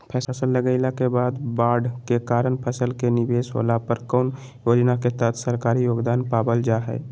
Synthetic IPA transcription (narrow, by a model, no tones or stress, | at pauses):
pʰɛːəsəlːəɡəɪlakebaːd̪baɖkekaɾənpʰəsəlkenibesɦo̰lapəɾkɔn | jod͡ʒnaket̪ət̪ʰsəɾkaɾijoːɡd̪anpabəld͡ʒaɦɛ̰ɪ